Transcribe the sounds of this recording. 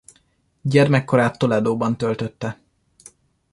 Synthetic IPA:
ɟɛrmɛkːo̞ɾaːt̪ːo̞lɛd̪oːbɒnt̪ølt̪ø̞t̪ːɛ

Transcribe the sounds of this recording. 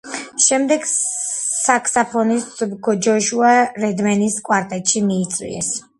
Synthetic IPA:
ʃɛmd̪ɛɡ | sakʰsapʰɔnisɡɔd͡ʒɔʃuaɾɛd̪mɛniskʼwaɾt̪ʼɛt̪ʼʃimiːt̪sʼwḭɛ̰s

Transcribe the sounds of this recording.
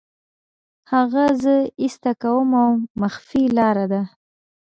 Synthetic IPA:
haɣazəist̪akawəmawmaxfilɑɾad̪a

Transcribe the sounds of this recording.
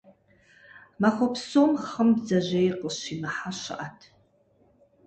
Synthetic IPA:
maχʷopʰsomχəmbzaʒʷejqʼəʃinaħaʃʷa̰ʔatʰ

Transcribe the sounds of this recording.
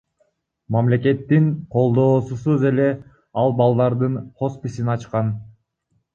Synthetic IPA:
mamle̞ke̞t̪ːiŋqʰo̞lˠd̪o̞ːsusuze̞le̞ | ɑlˠbɑlˠd̪ɑɾd̪ɯnχo̞spʲisinɑt͡ʃqɑn

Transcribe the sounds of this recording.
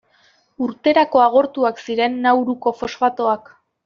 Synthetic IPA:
uɾt̪e̞ɾako̞aɣ̞o̞ɾt̪uaksiɾe̞nːawɾuko̞fo̞sfat̪o̞ak

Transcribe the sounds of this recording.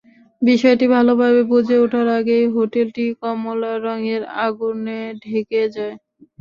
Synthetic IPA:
biʃɔeʈibʱalobʱabebud͡ʑʱeoʈʰaɾaɡejɦoʈelʈikɔmolaɾɔŋeɾa̰ɡuneɖʱeked͡ʑae

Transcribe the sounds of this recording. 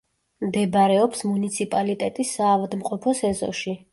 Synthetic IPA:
md̪ɛbaɾɛɔpsmunit̪sʰipʼalit̪ʼɛt̪ʼisːaːvad̪mqʼɔpʰɔsɛzɔ̰ʃi

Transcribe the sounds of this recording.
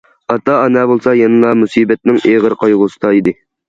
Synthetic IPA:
ɑt̪ɑːnɛbolˠsɑjɑnɨlˠɑmusiːbɛt̪̚nɪŋeʁəɾqʰɑjʁʊsɨ̥t̪ɑid̪ɪ

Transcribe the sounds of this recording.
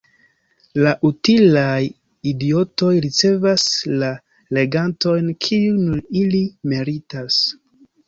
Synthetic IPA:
laʔutilaj | idio̞to̞jɾit͡se̞vasla | le̞ɡanto̞jnkʰiunuɾilimeɾitas

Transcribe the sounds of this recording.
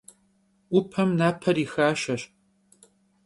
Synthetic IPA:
ʊpʰɐmnaːpʰɐɾiːxaːʃɐɕ

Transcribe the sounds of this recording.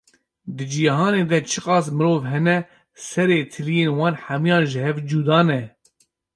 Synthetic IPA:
d̪ɨd͡ʒijɦɑːneːd̪ɛt͡ʃʰɨqɑːs̬mɨɾoːvɦɛnɛ | sɛɾeːt̪ʰɨlijeːnwɑːnħamijɑːnʒɨhɛvd͡ʒuːd̪ɑːnɛ

